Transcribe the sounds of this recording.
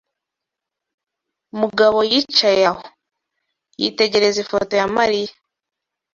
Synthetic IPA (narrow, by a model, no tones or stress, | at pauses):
muɡaβo̞jit͡ʃajaho | jḭte̞ɟe̞ɾe̞zifoto̞jamaɾija